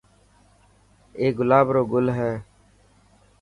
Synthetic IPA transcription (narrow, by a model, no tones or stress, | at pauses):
eːɡʊlaːbɾoːɡʊlɦɛː